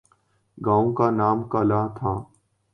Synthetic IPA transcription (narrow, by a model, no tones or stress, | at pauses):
ɡaːõːkaːnaːmkaːlaːt̪ʰaː